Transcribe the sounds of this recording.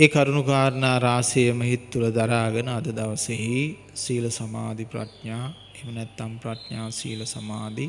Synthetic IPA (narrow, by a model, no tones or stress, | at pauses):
eːkaɾunukaːɾənaːɾaːsejəməɦit̪ːuləd̪aɾaːɡənəɐd̪əd̪aʋəseɦi | siːləsama̰ːd̪ipɾa̰ʈɲaː | emənɛt̪ːampraʈɲaːsḭːləsamaːd̪i